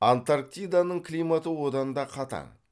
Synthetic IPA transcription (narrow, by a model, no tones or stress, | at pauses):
ant̪aɾk̚t̪ijd̪anəɴkʰlijmat̪əwod̪ɑnd̪ɑqʰɑt̪ɑ̰ɴ